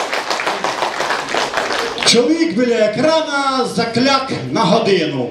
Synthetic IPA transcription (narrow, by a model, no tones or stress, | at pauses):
t͡ʃwɔʋʲiɡbɪlɛkɾanazɐklʲaknɐɦɔd̪ɪnʊ